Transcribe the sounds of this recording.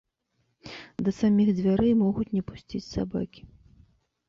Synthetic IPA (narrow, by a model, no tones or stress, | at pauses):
d̪ɐsamʲiɣd͡zʲvʲaɾɨjmɔɣut͡sʲnʲɛpu̥sʲt͡sʲit͡sʲsaba̰kʲi̥